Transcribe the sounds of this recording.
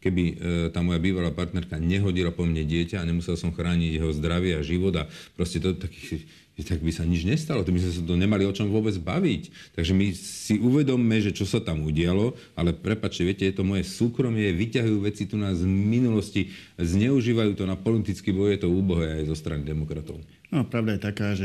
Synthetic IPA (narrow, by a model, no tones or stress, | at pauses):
kɛbit̪aːmɔjabiːʋalaːpaɾt̪nɛɾkaɲɛɦɔɟilapɔmɲɛɟɪɛcaːɲɛmusɛlsɔmxɾaːɲiɟjɛɦɔzd̪ɾaʋɪɛaʒiʋɔd̪apɾɔscɛt̪ɔt̪aki | t̪aɡbisaɲid͡ʒɲɛst̪alɔt̪ɔbizmɛsat̪ɔɲɛmaliɔt͡ʃɔmʋʊɔbɛd͡zba̰ʋict̪aɡʒɛmisiuʋɛd̪ɔmːɛʒɛt͡ʃɔsat̪amuɟɪalɔ | a̰lɛpɾɛpat͡ʃcɛʋɪɛcɛjɛt̪ɔmɔjɛsuːkɾɔmɪɛɛʋicaɦujuːʋɛt͡sit̪unazminulɔsci | zɲɛuʒiːʋajuːt̪ɔnapɔlit̪it͡skibɔjjɛt̪ɔuːbɔɦɛajzɔst̪ɾanid̪ɛmɔkɾat̪ɔʊ | nɔpɾaʊd̪ajɛt̪akaːʒɛ